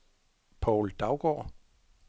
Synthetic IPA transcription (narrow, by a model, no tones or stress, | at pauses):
pʰɒʊld̥ɑ̈ʊɡ̥ɒ̰ː